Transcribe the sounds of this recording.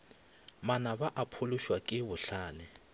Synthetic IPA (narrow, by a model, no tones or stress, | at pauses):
manabaʔapʰʊlʊʃwakʼɪβʊɬaːnɪ